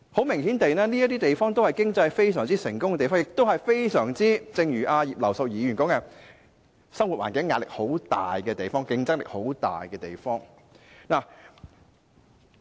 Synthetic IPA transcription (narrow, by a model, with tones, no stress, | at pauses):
ho˨˥wmɪ˨˩ŋhiː˨˥nt̪e˨˧jnɛː˥niː˥jɐ˥t̪̬iː˥t̪e˨jfɔː˥ŋt̪o˥whɐ˨jkɪ˥ŋt͡sɐ˧jfe˥js̬œː˨˩ŋt͡siː˥sɪ˨˩ŋkʊ˥ŋɛ˧t̪e˨jfɔː˥ŋjɪ˨k̚t̪o˥whɐ˨jfe˥jsœː˨˩ŋt͡siː˥t͡sɪ˧ŋjyː˨˩ʔaː˧jiː˨p̚lɐ˨˩wsɐ˨˧wjiː˨˧jyː˨˩nkɔː˨˥ŋjɐ˨ŋ | sɐ˥ŋwu˨waː˨nkɪ˨˥ŋːaː˧˨lɪ˨k̚ho˨˥wt̪a̰ː˨jkɛː˧t̪e˨jfɔː˥ŋkɪ˧ŋt͡sɐ˥k̚lɪ̰˨k̚ho˨˥wt̪a̰ː˨jkɛː˧t̪e˨jfɔː˥ŋ | naː˨˩